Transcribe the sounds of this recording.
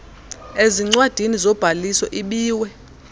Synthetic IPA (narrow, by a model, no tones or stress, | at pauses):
eziŋ͡ǀwad̥ʱinizɔb̥ʱalisɔʔiɓiːwɛ